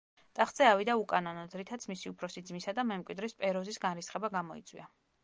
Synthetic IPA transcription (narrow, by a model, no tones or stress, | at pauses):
t̪ʼaχd̪z̥ɛavid̪aukʼanɔnɔzɾit̪ʰat̪sʰmisiupʰɾɔsid̪zmisad̪amɛmkʼwid̪ɾispʼɛɾɔzisɡanɾisχɛbaɡamɔḭt̪sʼwḭa